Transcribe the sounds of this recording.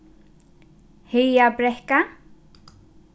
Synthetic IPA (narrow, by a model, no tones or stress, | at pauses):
hejabɾɛhka